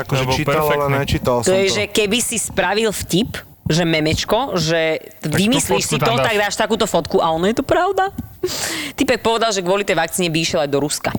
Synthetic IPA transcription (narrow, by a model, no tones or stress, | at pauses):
akɔʒɛt͡ʃiallɛnɛt͡ʃiːt̪alst̪ɔjɛʒɛkɛbisispɾaʋilfcip | ʒɛmɛmɛt͡ʃkɔʒɛʋimisliʃsiɔt̪aɡd̪aːʃt̪akuːt̪ɔfɔt̪kuʔaɔnɔjɛt̪ɔpɾaʊd̪a | t̪ipɛk̚pɔʋɛd̪alʒɛɡʋʊɔlit̪ɛjʋak̚t͡siːɲibiiʃjɛlajd̪ɔɾuska